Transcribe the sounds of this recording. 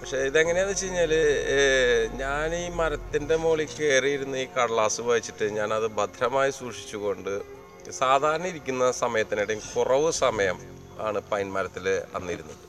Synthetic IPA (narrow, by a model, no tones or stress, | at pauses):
pɐkʂe̞iðeŋːɐne̞jɐðɨt͡ɕe̞jiɲːaːl | ɲaːniːmɐɾɐt̪ːinde̞moːɭikːe̞ːrijiɾunːuiːkɐɽɐɭaːsɨʋɐjit͡ɕːiʈːɨɲaːnɐðɨbɐd̪ʱɾɐmaːjisuːʂi̥t͡ɕːuɣo̞ɳɖɨ | saːd̪ʱaːɾɐɳɐmiɾikʲːunːɐsɐmɐjɐt̪ːineɽemkurɐʋɨsɐmɐjɐm | a̰ːɳɨpɐjnmɐɾɐt̪ːilɐ̰nːiɾunːuʈːɨ